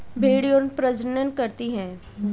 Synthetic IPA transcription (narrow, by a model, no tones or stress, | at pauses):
bʱeːɽijõnpɾɐd͡ʒənənkɐɾt̪iɦɛ̃ː